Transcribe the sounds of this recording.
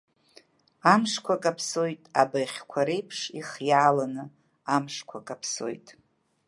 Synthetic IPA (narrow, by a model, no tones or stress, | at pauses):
amʂkʷakʼapʰso̞jtʼabajχʲkʷʰaɾejpʰʂiχjaːlanɨ | amʂkʷʰakʼapʰso̞̰jtʼ